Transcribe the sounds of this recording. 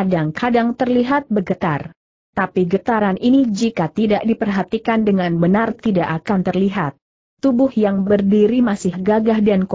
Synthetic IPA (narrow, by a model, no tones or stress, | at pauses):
adaŋkʰadaŋt̪ərliɦat̪̚bəɡət̪ar | t̪apiɡət̪aɾanʔinid͡ʒikat̪idaʔdipərɦat̪ikandəŋanbənart̪idaʔakant̪ərliɦat̪̚ː | ubʊhjaŋbərdiɾimasɪhɡaɡahdank